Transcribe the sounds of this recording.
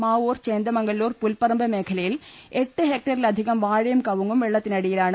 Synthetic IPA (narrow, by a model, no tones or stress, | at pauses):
maːoːrt͡ɕeːnd̪ɐmɐŋɡɐɭːuːrpulpɐrɐmbʱɐme̞ːkʰɐlɐjil | eʈːɨɦeːk̚ʈɐrilɐd̪ʱiɣɐmʋaːɻɐjumkɐʋuŋɡumʋɛɭːɐt̪ːinɐɽijilaːɳɨ